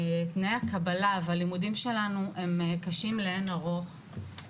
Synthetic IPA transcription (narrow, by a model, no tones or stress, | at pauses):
t̪nejakabalavalimudimʃe̞lanuʔe̞mkaʃimleenaʁo̞χ